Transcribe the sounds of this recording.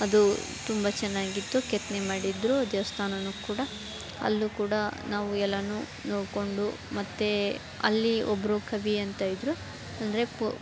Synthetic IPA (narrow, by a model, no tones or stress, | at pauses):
ɐd̪u | t̪umbɐt͡ʃɛnːaːɡit̪ːukɛt̪nemaːɽid̪ɾud̪ɛʋɐst̪ʰaːnɐnukuːɽɐ | ɐ̰lːukuːɽɐnaːʋuɛlːɐnu | noːɽko̞ɳɖumɐt̪ːe | ɐ̰lːiɔbːɐɾukʰɐʋiɐnt̪aːjid̪ɾu | ɐnd̪ɐɾe̞p